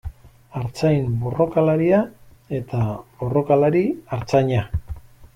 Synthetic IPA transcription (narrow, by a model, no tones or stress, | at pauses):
aɾt͡sajmbo̞ro̞kalaɾia | e̞t̪abo̞ro̞kalaɾiaɾt͡saɲa